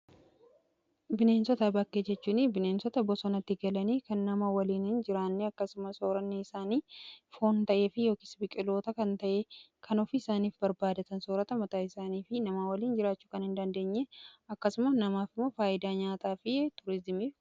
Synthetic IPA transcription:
bɪne̞ːnsɔt̪ɐbɐkːeːd͡ʒɛt͡ʃːuːnɪbɪne̞ːnsɔt̪ɐbɔsɔnɐt̪ːɪɡɐlɐniːkɐnːɐmawɐliːnɪnd͡ʒɪɾaːnːeɐkːɐsʊmɐsoːɾɐnːiɪsaːniːfo̞ːnt̪ɐʔeːfɪjo̞ːkisbɪkʼɪlo̞ːt̪ɐkɐnt̪ɐʔe | kʰɐnɔfiːɪsaːniːfbɐɾbaːd̪ɐt̪ɐnso̞ːɾɐt̪ɐmɐt̪aːɪsaːniːfɪnɐmaːwɐliːnd͡ʒɪɾaːt͡ʃːuːkɐnhɪnd̪ɐnd̪e̞ːɲːeɐkːɐsʊmɐnɐmaːfɪmːoːfaːʔɪd̪aːɲaːt̪aːfɪt̪ʊɾɪzɪmiːf

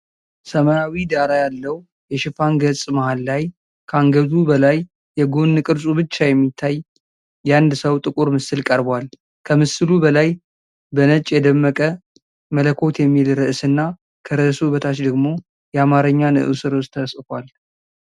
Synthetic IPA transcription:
səmajawid̪aɾajalːəw | jɛʃɪfaŋɡəsʼmahalːaj | kʰəaŋɡəzubəlajː | ɛɡonːɨkʼɨɾsʼubɨt͡ʃːajɛmːit̪ʰːaj | jɛand̪səwt̪ʼɨkʼuɾmɨsɨlkʼəɾbwal | kʰəmɨsɨlubəlaj | bənət͡ʃʼːjɛd̪əmːəkʼə | mələkʰo̞t̪jɛmːilɾɨʔɨsɨnːa | kʰəɾɨʔɨsubət̪ʰat͡ʃd̪əɡmo̞ | jɛamaɾəɲːanɨ̰ʔɨsɨɾost̪ʰəsɨkʷal

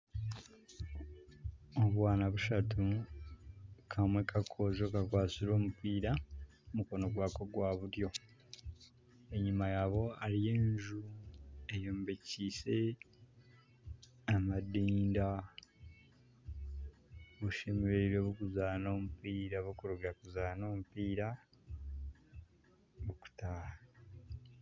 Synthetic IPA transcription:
oβwaːnaβuʃatu | kʰamwe̞kakʰo̞ːzo̞ːkakwaːsiɾo̞ːmupiːɾa | muko̞no̞ɡwaːko̞ɡwaβuɾjo̞ | e̞ɲːimajaːβo̞alije̞ːɲʒue̞joːmbeciːse̞ | amadiːnda | βuʃemeɾeiɾweβukuzaːno̞ːmupiːɾaβukuɾuɡakuzaːno̞ːmupiːɾa | βuku̥tah

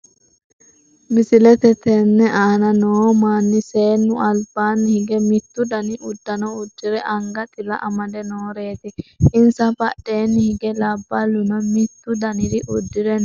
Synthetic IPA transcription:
mɪsɪlɛt̪ɛt̪ɛnːɛʔaːnɐnoːmaːnːɪseːnːʊʔɐlbaːnːɪhɪɡɛmɪt̪ːʊd̪ɐnɪʔʊd̪ːɐnɐʊd̪ːɪɾɛʔɐŋɡɐt̪ʼɪlɐ̰ʔɐmɐd̪ɛnoːɾe̞ːt̪ɪɪnsɐbɐ̰ɗeːnːɪhɪɡɛlɐbːɐlʊnɐmɪt̪ːʊd̪ɐnɪd̪ɪʔʊd̪ːɪɾɛn

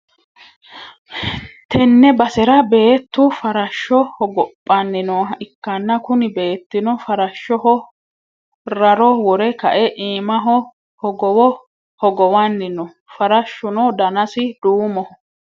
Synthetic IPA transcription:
t̪ɛnːɛbɐsɛɾɐbe̞ːt̪ːʊfɐɾɐʃːɔhɔɡɔpʼːɐnːɪnɔɪkːɐnːɐkʊnɪbe̞ːt̪ːɪnɔfɐɾɐʃːɔɦɔ | ɾɐɾɔwɔɾɛkɐʔɛʔiːmɐɦɔ | hɔɡɔwɔ | hɔɡɔwɐnːɪnɔ | fɐɾɐʃːʊnɔd̪ɐnɐsɪd̪uːmɔhɔ

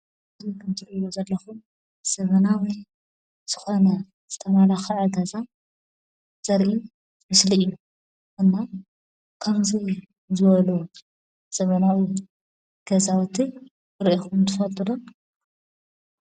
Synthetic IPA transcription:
zikʰɐmt̪ʰɨɾɨwozɐlːɐxum | z̥ɐβɐnawi | z̥ɨxo̞nɐ | z̥ɨt̪ʰɐmalaxɐʕɐɡɐza | z̥ɐɾʔi | mɨslijːu | ʔɨnːa | kʰɐmzi | zɨβɐlu | z̥ɐβɐnawi | ɡ̥ɐzawt̪ʰi | ɨɾʔixumt̪ʰɨfɐt̪ʼɨɾun

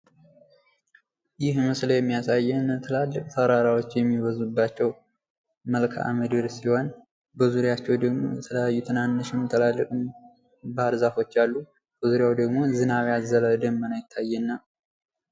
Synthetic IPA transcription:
jɪhməsləjɛmːijasajːɛnt̪ʰəlalːɨkʼt̪ʰəɾaɾawo̞t͡ʃːjɛmːiβəzubːat͡ʃːɛw | məlkʰaʔa̰məd̪ɨɾsiho̞n | bəzuɾjat͡ʃːɛwd̪əɡmo̞̰jɛ̰t̪ʰələjajːut̪ʰɨnanːɨʃɪmt̪ʰəlalːɨkʼɨm | bəaɾzafo̞t͡ʃːalːu | b̥əzuɾjawd̪əɡmo̞zɨnaβazələd̪əmːənajɪt̪ʰːajːɛnːa

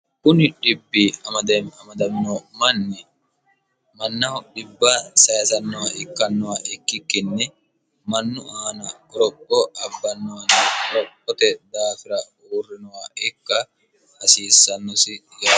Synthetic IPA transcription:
kʊnɪᶑɪbːiɐmɐd̪ɐɐmɐd̪ɐnːɔmɐnːɛ | mɐnːɐɔɗɪbːɐsɐjɐsɐnːɔwɐɪkːɐnːɔwɐʔɪkːɪkːɪnːɛ | mɐnːʊʔaːnɐkɔɾɔpʼːɔɐbːɐnːɔwɐnɐɔɾɔpʼːɔt̪ɛd̪aːfɪɾɐ | uːrːɪnɔwɐɪkːɐ | hɐsiːsːɐnːɔsɪ | jɐ

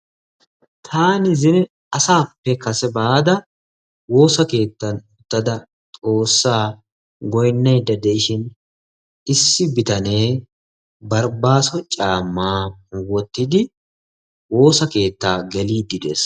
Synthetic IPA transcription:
t̪ʰaːnɪzɪnɛ | ɐsaːpːɛkɐsɛbaːd̪ɐ | wo̞ːsɐke̞ːt̪ːɐnʊt̪ːɐd̪ɐ | t̪ʼo̞ːsːaː | ɡɔjnːɐjd̪ːɐd̪ɛʔɪʃɪn | ɪsːɪbɪt̪ɐne̞ː | bɐɾbaːsɔt͡ʃʼaːmːaːwɔt̪ːɪd̪ɪ | wo̞ːsɐke̞ːt̪ːaːɡɛliːd̪ːɪd̪ḛːs

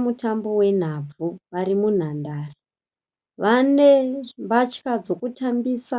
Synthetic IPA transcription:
mutambo̞we̞n̤ab͡vuʋaɾimun̤andaːri | ʋanembat͡ʃkad͡zo̞kutʰambiːsa

